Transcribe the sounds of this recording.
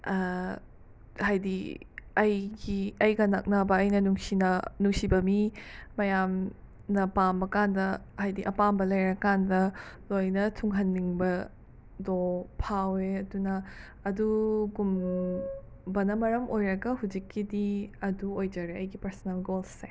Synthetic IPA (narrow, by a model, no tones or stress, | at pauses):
hajdiɐjɡiɐjɡɐnɐk̚nɐbɐːjnɐnuŋsinɐnuŋsibɐmimɐjam | nɐpambɐkandɐ | hajdiʔɐpambɐlɐjɾɐkandɐlojnɐtʰuŋɦɐnːiŋbɐ | dopʰaweɐdunɐː | duɡum | bɐnɐmɐɾɐmʔojɾɐɡɐɦud͡ʒikːidiɐduojd͡ʒɐɾeɐjɡipɐɾsɐnalɡolse